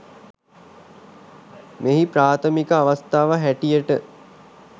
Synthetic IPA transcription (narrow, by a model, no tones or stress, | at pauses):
meɦipɾaːt̪ʰəmikəaʋast̪aːʋəɦæʈijəʈə